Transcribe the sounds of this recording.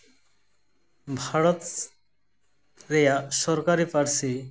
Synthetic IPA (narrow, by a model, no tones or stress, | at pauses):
bʱaɽɔt̪ | ɾejaʃɔɾkaɾipaɾsi